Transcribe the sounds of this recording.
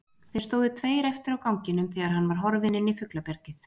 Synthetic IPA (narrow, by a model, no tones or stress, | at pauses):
θeɾst̪oːwðɪt̪ʰveːjɾɛft̪ɪɾawkawŋcɪnʏmθɛɣaɾ̥ɦanːvaɾ̥ɦɔɾvɪnɪnifʏklapɛɾ̥cɪθ